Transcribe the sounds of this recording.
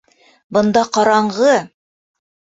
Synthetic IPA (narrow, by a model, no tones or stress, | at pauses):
bɤ̆nd̪ɑqɑɾɑɴʁɤ